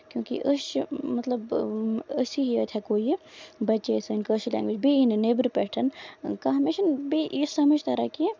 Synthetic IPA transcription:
kjũːkḭʔəʃmɐt̪lɐbəsiɦiə̰t̪ʰʲɛkoːjbɐt͡ʃːesɨinkəʃilɛ̰̃ːŋɡʋid͡ʒbiinɨneːbɾpeʈʰɐnkaɦmeʃɐnbiʔisɐməd͡ʒt̪ɐɾɐki

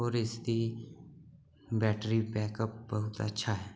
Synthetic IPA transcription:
ɔːɾɪst̪i | bɛːʈɾipɛːkəp̚bɐɦʊt̪ə̰tːʃʰaɦɛː

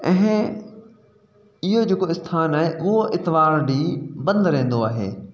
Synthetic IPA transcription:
ɛ̃ɦɪ̃ | ɪɦod͡ʑeːkoɪst̪ʰaːnaːɦeʔʊɦoʔɪt̪ɪʋaːɾɗiːbɐ̃nd̪ɾẽɦːn̆d̪oaːɦḛː

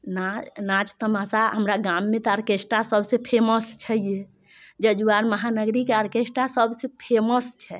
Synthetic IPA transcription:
nanat͡ʃt̪əmasaɦəmɾaɡamːet̪ɔəɾkesʈasəbʱsepʰeməst͡ʃʰəije | d͡ʒəd͡ʒuaɾməɦanəɡɾikeəɾkesʈasəbʱsepʰeməst͡ʃʰɛ

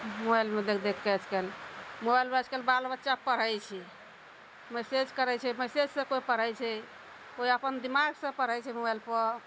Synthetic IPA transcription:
mobajlmed̪ekʰd̪ekʰːɛt͡ʃʰkelmobajlbət͡ʃkelbalbətːʃapəɾ̤əjt͡ʃʰi | mesed͡ʒkəɾɛt͡ʃʰɛmɛsed͡ʒsə̃koipəɾ̤əjt͡ʃʰɛ | koiəpənd̪imaɡsə̃pəɾ̤əjt͡ʃʰɛmobajlpə

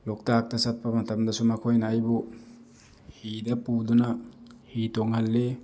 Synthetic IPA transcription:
lɔk̚tak̚tɐsat̚pɐmɐtʰɐmdɐsumakʰojnajbu | hidɐpudunahitoŋhalːe

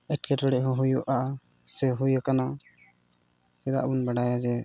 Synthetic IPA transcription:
ɛʈ̚kɛʈɔɽɛʔɦɔ̃ɦujɔʔa | sɛɦujakana | sɛd̪a̰ʔbunbaɖajad͡ʒɛ

